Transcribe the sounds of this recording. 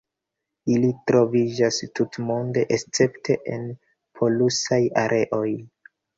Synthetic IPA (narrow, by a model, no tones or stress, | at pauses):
ilitɾo̞vid͡ʒastutmo̞nde̞ʔest͡se̞ptʰe̞ʔḛn | pʰo̞lusajaɾʔe̞ʔo̞j